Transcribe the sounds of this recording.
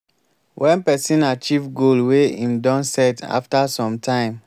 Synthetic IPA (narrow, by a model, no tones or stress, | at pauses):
wʔɛ̃npɛsĩnat͡ʃivɡolweĩmdɔ̃nsɛta̰ftasɔ̃mtʰãɪ̃m